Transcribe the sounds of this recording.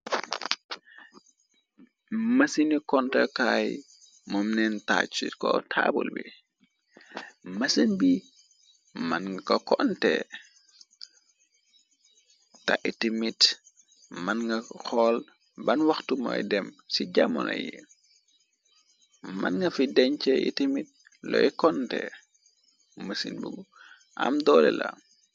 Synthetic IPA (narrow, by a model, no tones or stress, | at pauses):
mɐsinikɔntɛkaːj | mɔmnɛnta̰ːt͡ʃikɔtʰabulbḭ | mɐsənbi | mɐnkɐkɔntɛ̰ | taʔitimit | mɐnŋɡɐxɔl | bɐnwaxtumɔjdɛmsiɟamɔnɐ̰jḭ | manŋɡɐfidɛɲt͡ʃɛʔḭtimit̚ | lɔjkɔntɛ̰ | mɐsinbuɡu | ʔa̰mdɔːlɛ̰la̰